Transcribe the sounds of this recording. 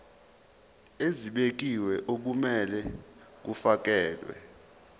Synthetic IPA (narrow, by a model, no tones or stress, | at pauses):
eziɓek̬iwɛʔok̬umɛlɛk̬ufak̬ɛːlwɛ̰